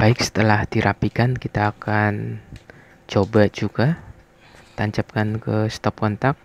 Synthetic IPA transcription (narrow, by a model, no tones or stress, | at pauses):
b̥aɪk̚sə̥t̪əlahd̪iɾʔapikankit̪aːkan | t͡ʃobad͡ʒuɡa | t̪aɲt͡ʃap̚kankəst̪ɔp̚kɔnt̪ak̚